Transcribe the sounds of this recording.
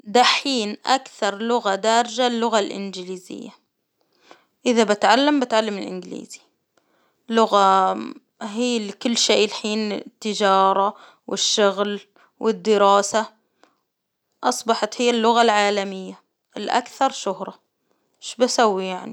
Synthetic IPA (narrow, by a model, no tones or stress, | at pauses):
d̪aħiːnʔakθɑɾˤlʊɣad̪aːɾˤd͡ʒalːʊɣalʔɪ̰nd͡ʒɪliːzɪ̰jːa | ʔɪðabɪt̪ʕalːambɪt̪ʕalːamɪlʔɪ̰nɡlḭːz̥i̥ | lʊɣa | ɦiːlkʊlːʃeːʔlħiːnt̪ːɪd͡ʒɑːɾˤɑ | wɪʃːʊɣl | wʔɪd̪ːɪɾɑːsa | ʔɑsˤbɑħɑt̪hɪjːalːʊɣalʕaːlamɪjːa | ʔɪlʔa̰kθɑɾˤʃʊhɾˤɑ | ʃbasawːijaʕni